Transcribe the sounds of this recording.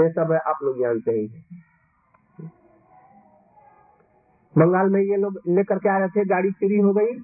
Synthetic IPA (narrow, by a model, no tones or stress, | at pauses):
esəbʱɛʔaːploɡjanseɦĩ | bəŋɡaːlmejeloɡlekəɾkeaɾəɦɛt̪ʰɛɡaɽisiɾiɦoɡəi